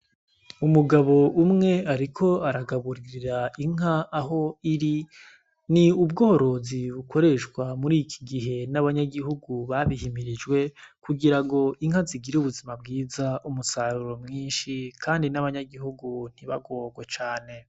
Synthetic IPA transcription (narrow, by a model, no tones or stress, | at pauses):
umuɡaβo̞ʔumŋe̞aɾikʰo̞aɾaɡaβuɾiɾiɾaiŋ̥aʔːɦo̞iɾi | niubɡo̞ːoɾo̞ziβukʰo̞ɾe̞ʃkwamuɾikʰi̥ɡiɦe̞naβaɲaɡiɦuɡuβaβihimiɾid͡ʒɡwe̞kuɡiɾaŋɡo̞ʔiŋ̥haziɡiɾeuβuzimab̚ɡiːzaumusaɾuɾo̞mŋiːnʃikʰaːndinaβaɲaɡiɦuɡun̥iβaɡoːɡwet͡ʃaːne̞